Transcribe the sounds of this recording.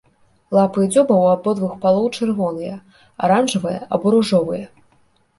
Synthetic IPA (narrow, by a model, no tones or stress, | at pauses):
lˠapɨd͡zʲɔbɐwabɔd̪vuxpalˠɔwt͡ʂɨrvɔnɨjɐ | aɾanʐɐvɨjɐ̰ʔɐbɔɾuʐɔvɨjɐ